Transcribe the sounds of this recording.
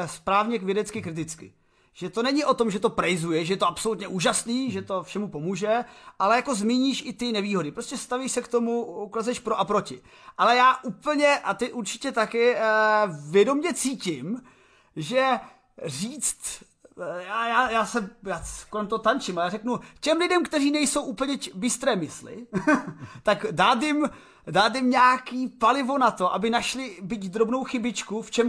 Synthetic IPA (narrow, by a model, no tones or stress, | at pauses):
spɾaːvɲɛkvjɛdɛt͡skɪkɾɪt̪ɪt͡skɪ̰ | ʒ̥ɛt̪o̞nɛɲɪʔo̞t̪o̞mʒɛt̪o̞pɾɛjzujɛʒɛjɛt̪oapso̞lut̪ɲɛʔuːʒasniːʒɛt̪o̞fʃɛmupo̞muːʒɛʔalɛjako̞zmiːɲiːʃʔɪt̪ɪnɛviːɦo̞dɪpɾoscɛst̪aviʃsɛkt̪o̞muukazɛʃpɾoʔapɾo̞cɪ | ʔalɛjaːʔupl̩ɲɛʔat̪ɪʔuɾt͡ʃɪ̥cɛt̪akɪ | vjɛdo̞mɲɛt͡siːcɪm | ʒɛ | riːt͡st̪ | jaːjaːjaːsɛjaːkolɛmt̪ot̪ant͡ʃɪmajaːrɛknucɛmlɪdɛmkt̪ɛriːnɛjsowʔupl̩ɲɛbɪst̪ɾɛːmɪslɪ̰ | t̪akdaːd̪̬ɪm | daːd̪ɪmɲaːkiːpalɪvo̞nat̪o̞ʔabɪnaʃlɪbitd̪ɾo̞bno̞wxɪbɪt͡ʃkuft͡ʃɛm